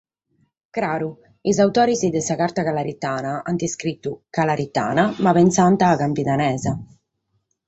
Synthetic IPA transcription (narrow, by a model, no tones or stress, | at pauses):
kɾaːɾu | izawt̪ɔːɾizid̪ɛsakaɾt̪akalaɾit̪ːaːnaand̪iskɾit̪ːukalaɾit̪ːa̰ːnamapɛnsant̪aːkampit̪anɛːza